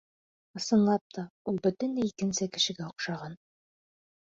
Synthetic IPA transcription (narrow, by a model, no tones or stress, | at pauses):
ɤ̆sɤ̆nlˠɑp̚t̪ʰɒulˠbɵ̆t̪ɘ̆nlɘikɘ̆nsɘkɘ̆ʃɘ̆ɡæŏqʃɑʁɑn